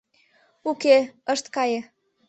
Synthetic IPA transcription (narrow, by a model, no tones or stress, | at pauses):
ukeəʃt̪kɑjĕ